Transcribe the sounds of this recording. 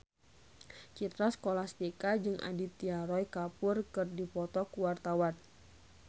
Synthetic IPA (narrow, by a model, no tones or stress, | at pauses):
t͡ʃit̪ɾasə̥kolast̪ikad͡ʒɨŋʔa̰dit̪iaɾɔjkapʊrkɨrdipɔt̪ɔkuwart̪awan